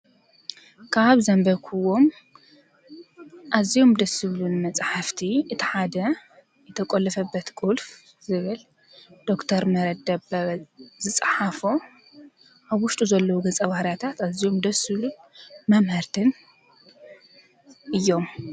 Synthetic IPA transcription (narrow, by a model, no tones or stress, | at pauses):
kʰaβzɐmbɐkʰuwo̞m | ʔazːijo̞md̪ɐsɨβlunmɐt͡sʼħaft̪ʰiʔɨt̪ʰiħad̪ɐ | jɛt̪ʰɐkʼolɐfɐbːɐt̪kʼulf | zɨβɨl | d̪̥o̞kt̪ʰɐɾmɐɾɐd̪ɐbɐzɨt͡sʼħafo | ʔaβwʊʃt̪ʼuzɐlːɐwuɡɐt͡sʼɐβahɾjat̪ʰat̪azijo̞md̪ɐsɨβlunmɐmhɐɾt̪ʰɨn | ʔɨjːo̞m